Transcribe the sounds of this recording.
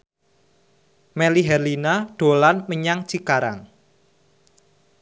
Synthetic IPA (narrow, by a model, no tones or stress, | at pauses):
meliɦɛrlinaɖ̥o̤lanməɲaŋt͡ʃikaɾa̰ŋ